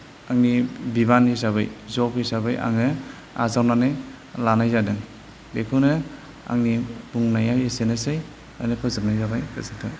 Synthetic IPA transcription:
aŋnibibanisaβɯjzɔpisabɯjʔa̰ŋɯ | a̰zawnane | lanajzadɯŋ | bekʰɯnɯ | a̰ŋnibuŋnajajesenɯsɯj | ajnɯpʰɯzɯp̚najzabajkasatʰɯ

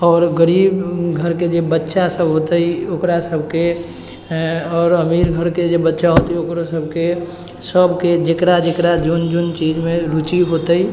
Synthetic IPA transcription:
ɔːɾɡəɾiːbɡʱəɾked͡ʒebətːʃasəbɦot̪əiokɾasəbʱke | ɔːɾəmiːɾɡʱəɾked͡ʒebətːʃaɦot̪iokɾosəbʱke | səbked͡ʒekɾad͡ʒekɾad͡ʒund͡ʒunt͡ʃiːd͡ʒmẽɾut͡ʃiɦot̪əi

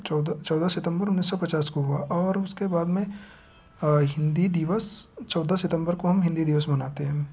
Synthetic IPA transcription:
d̪t͡ʃɔːd̪asɪt̪ə̃mbəɾʊnːiːs̬ːɔpɐt͡ʃaːskoɦuaʔɔːɾʊskebaːd̪mẽ | ɦɪ̃nd̪id̪ɪʋəst͡ʃɔːd̪asɪt̪ə̃mbəɾkoɦɐmɦɪ̃nd̪id̪iʋəsmɐnaːt̪eɦɛ̃ː

